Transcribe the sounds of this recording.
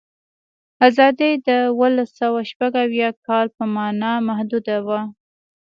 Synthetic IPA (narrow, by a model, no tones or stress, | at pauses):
azɑd̪id̪əwəlasawaʃpaɡawjɑkɑlpəmɑnɑmahd̪ud̪awa